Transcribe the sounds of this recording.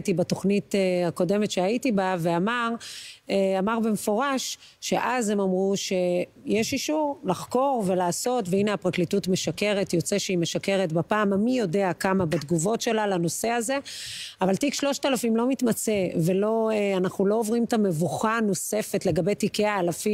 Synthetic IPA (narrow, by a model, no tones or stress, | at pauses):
tibato̞χniteako̞de̞metʃeaitibave̞amaʁeamaʁbemefo̞ʁaʃː | eʔazemamʁuʃe̞ | jeʃiʃuʁlaχko̞ʁve̞laːso̞tveineapʁaklitutme̞ʃake̞ʁe̞tjo̞t͡seʃeime̞ʃake̞ʁetbapaːmamijo̞deakamabadɡuvo̞tʃe̞lalano̞se̞aze̞avaltikʃlo̞ʃt̪aalafimlo̞mitmat͡se̞ve̞lo̞eanaχnulo̞ovʁimtame̞vuχano̞se̞fetle̞ɡabe̞jtikeaːlafim